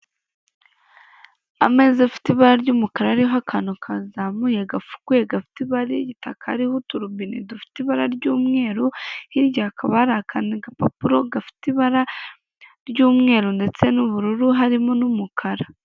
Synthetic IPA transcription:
a̰me̞ːzafi̥tiβaɾaɾɟumukaɾaɾiɦakʰanokʰazamujeɡafu̥kuje̞ɡafi̥tiβaɾiɟitakʰaɾihutuɾuβinḭdufi̥tiβaɾaɾɟuːmŋe̞ːɾuhiɾɟakʰaβaɾakʰaniɡapa̰puɾo̞ɡafi̥tiβaɾa | ɾɟuːmŋe̞ːɾunde̞t͡senuβuɾuɾuɦaɾimonumukʰaɾa

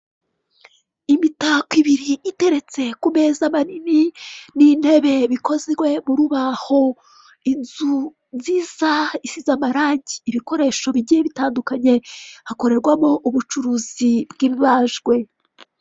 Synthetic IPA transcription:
imitakwiβiɾiʔite̞ɾe̞t͡se̞kume̞ːzamanininin̥he̞βe̞βiko̞zwe̞muɾuβaho̞ | inzu | nziːzaisizamaɾaːɲɟiːβiko̞ɾe̞ːʃo̞βiɟijeβitaːndukaɲe̞hako̞ɾe̞ɾɡwamo̞ʔuβut͡ʃuɾuːzibɡiβiβaːʒɡwe̞

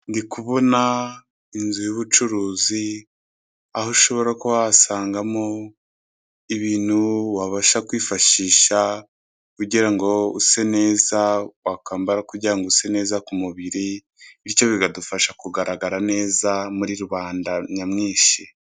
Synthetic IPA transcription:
ndikuβona | inzujoβut͡ʃuɾuːzi | aɦoʃo̞βo̞ɾakowasaːŋɡamo | iβiːn̥huwaβaʃakwiːfaʃiːʃa | kuɟiɾaŋɡo̞use̞ne̞ːzawakaːmbaɾakuɟiɾaŋɡose̞ne̞ːzakumuβiɾi | iɾco̞βiɡadufaʃakuɡaɾaɡaɾane̞ːzamuɾiɾuβaːndaɲamŋiːʃi

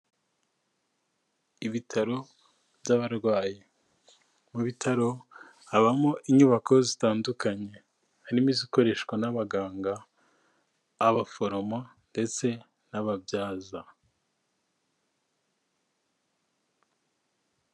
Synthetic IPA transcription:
iβitʰaɾo̞ | bɟaβaɾɡwaːji | muβitʰaɾo̞ | aβamoʔiɲuːβakozitaːndukaɲe̞ | haɾimiziko̞ɾe̞ʃwanaβaɡaːŋɡa | βafo̞ɾoma | nde̞t͡se̞ | naβabjaːza

